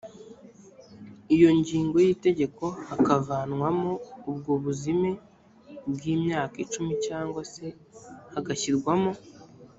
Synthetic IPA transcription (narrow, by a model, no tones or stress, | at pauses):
ijo̞ɲɟiːŋɡo̞jiːte̞ɟe̞ko̞hakavanŋwamoubɡoβuzime | bɡiːmɲaːkit͡ʃumicaːŋɡwase̞ | haɡaçiɾɡwamo̞